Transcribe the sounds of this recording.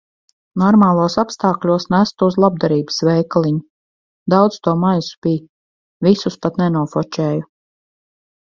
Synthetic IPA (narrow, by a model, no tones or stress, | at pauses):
nɔɾmaːlˠuɔsapst̪ɑːklʲuɔsnæst̪uuzlˠab̚d̪aɾiːbəsvɛjklˠiɲu | d̪awd̪st̪uɔmajsu̥b̥ij | visuspat̪nɛnuɔfɔt͡ʃɛːju